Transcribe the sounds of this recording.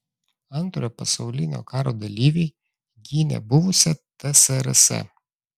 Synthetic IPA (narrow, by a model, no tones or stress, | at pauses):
ɐnˑt̪ɾoːjpɐsɐʊlʲɪnʲo̰ːkɑːɾoːd̪ɐlʲiːʋʲeɪ | ɡʲiːnʲɛ̰bʊʋʊsʲɛt̪ɛsɛɾɛsɛ̰